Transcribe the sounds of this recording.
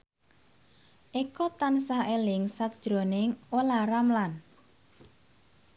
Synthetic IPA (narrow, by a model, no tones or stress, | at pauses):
ʔekɔt̪ansaʔelɪŋsak̚d̥ʒ̥ɾo̤nɪŋolaɾamlan